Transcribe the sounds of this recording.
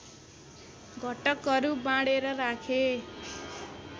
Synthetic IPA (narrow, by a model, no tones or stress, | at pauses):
ɡʱʌʈʌkɦʌɾubãɽeɾʌɾakʰe